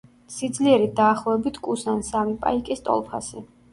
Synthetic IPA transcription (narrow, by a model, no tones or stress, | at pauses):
sid̪zliɛɾid̪aːχlˠɔɛbit̪ʰkʼusansamipʼa̰ikʼist̪ʼɔ̰lˠpʰa̰si